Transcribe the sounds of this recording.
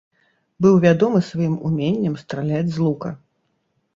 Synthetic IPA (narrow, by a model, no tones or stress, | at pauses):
bɨwvʲad̪ɔmɨsvajimumʲenʲːɐmst̪ɾalʲad͡zʲzlˠukɐ